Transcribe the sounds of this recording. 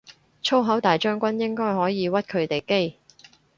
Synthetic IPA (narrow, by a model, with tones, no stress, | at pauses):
t͡ʃʰo˥wɦɐ˨˥wt̪aː˨˩jt͡ʃœː˥ŋkʷɐ˥njɪ˥ŋkɔː˥jɦɔː˨˥jiː˨˧wɐ˥t̚kʰɵ˨˧ɥt̪e˨jke˥j